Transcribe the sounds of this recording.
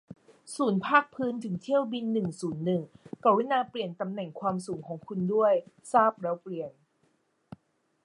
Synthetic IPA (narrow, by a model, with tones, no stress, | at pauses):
suː˩˦npʰaː˥˩k̚pʰɯː˦˥nt̪ʰɯ˩˦ŋt̪ʰi˥˩əwbi˧nːɯ˨˩ŋsuː˩˦nːɯ˨˩ŋka˨˩wi˦˥naː˧pli˨˩ənt̪a˧mnɛ˨˩ŋkʰwaː˧msuː˩˦ŋkʰɔː˩˦ŋkʰu˧ndu˥˩əj | saː˥˩p̚ɾɛː˦˥wpli˨˧˩ən